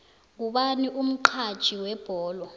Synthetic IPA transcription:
k̬uɓaniʔum̩ǃʰad̥ʒ̥ʱiwɛb̥ʱɔːlwɔ

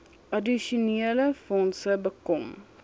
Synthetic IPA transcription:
ʔɐdiʃuniələfɔnsəbəkɔm

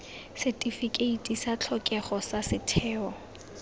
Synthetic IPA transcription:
sɛtʼifikʼeitʼisat͡ɬʰɔkʼɛχɔsasɪtʰɛːɔ

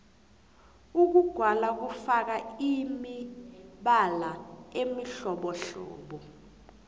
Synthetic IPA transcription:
uk̬uɡ̥ʱwalak̬ufak̬aimiɓalaemiɬɔɓɔɬɔ̰ːɓɔ

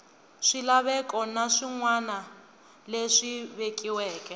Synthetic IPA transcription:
ʂilaβɛkʼɔnaʂiŋwana | leʂiβekiwɛːkʼɛ

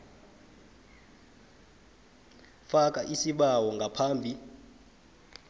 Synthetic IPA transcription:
fak̬ʼaʔisiɓawɔŋɡʱapʰaːmbʱi

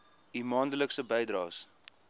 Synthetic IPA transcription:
imɑːndələksəbɛjdrɑːs

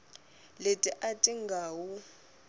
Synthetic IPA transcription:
letʼiʔatʼiŋɡʱaːwu

